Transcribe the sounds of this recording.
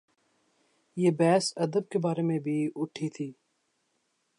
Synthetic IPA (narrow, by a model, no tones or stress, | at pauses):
jeːbɛːsɐd̪əb̚kebaːɾemẽbʱiʊʈʰːit̪ʰiː